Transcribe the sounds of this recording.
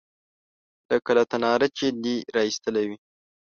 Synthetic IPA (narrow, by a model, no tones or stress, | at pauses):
ləkəlat̪anɑɾat͡ʃed̪iɾɑist̪əlawi